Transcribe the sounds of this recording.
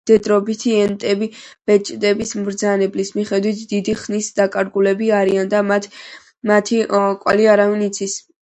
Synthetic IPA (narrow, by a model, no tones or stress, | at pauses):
d̪̥ɛd̪ɾɔbit̪ʰiɛnt̪ʼɛbib̥ɛt͡ʃʼd̪ɛbismɾd̪zanɛblismiχɛd̪wit̪ʰd̪id̪iχnisd̪akʼaɾɡulɛbiaɾiand̪amat̪ | mat̪ʰikʼwaliaɾavinit̪sʰis